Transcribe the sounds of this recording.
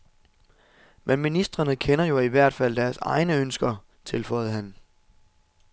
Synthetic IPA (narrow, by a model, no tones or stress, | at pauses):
menminisd̥ʁɐnəkʰenɐjo̝iʋæɐ̰d̥fæl̰d̥æɐsɑ̈ɪnəønsɡ̥ɐ | t͡sʰe̝lfɒ̰ɪð̩ˠɦæn